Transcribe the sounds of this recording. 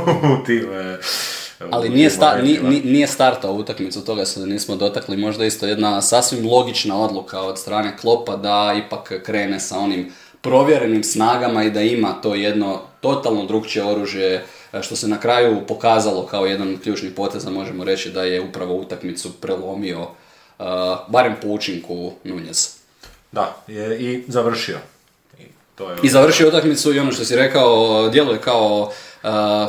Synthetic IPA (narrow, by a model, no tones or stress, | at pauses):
ut̪ime | alinijest̪aniinijest̪aɾt̪aout̪akmit̪sut̪o̞ɡased̪niːsmod̪o̞t̪aklimo̞ʒd̪aist̪oje̞d̪nasasʋimlˠo̞ɡit͡ʃnao̞d̪lˠukʰao̞d̪st̪ɾaːne̞klˠo̞pad̪aipakkːɾe̞ːne̞sao̞nim | pɾo̞ʋje̞ɾe̞nimsnaːɡamaid̪aimat̪o̞ːje̞d̪no̞t̪o̞t̪alˠnod̪ɾuːɡt͡ʃe̞o̞ɾuːʒje̞ | ʃt̪o̞se̞nakɾajupo̞kaːzalˠo̞kao̞je̞d̪anokʎuːt͡ʃnipo̞ːt̪e̞zamo̞ʒe̞moɾe̞t͡ɕid̪aje̞upɾaʋo̞ut̪akmit̪supɾelˠo̞mio̞ | baɾe̞mpout͡ʃiŋkunuɲez | d̪ajeizaʋr̩ʃio̰ | t̪oizaʋr̩ʃiout̪akmit̪suio̞no̞ʃt̪o̞siɾe̞kaod̪je̞luje̞kao